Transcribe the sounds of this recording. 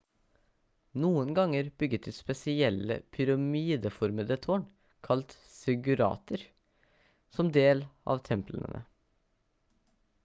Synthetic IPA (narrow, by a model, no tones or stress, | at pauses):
nuːənɡɑŋəɾb̥ʏɡət̪ʰːɪspɛsɪɛlːə̰pʰʏɾɑmiːd̪əfɔɾməd̪ət̪ʰoːɳ | kʰɑlt̪ | sʏɡʉɾɑ̰ːt̪əɾ | sɔmd̪eːlʔɑ̰ːʋt̪ʰɛmplə̰nə̰nə̰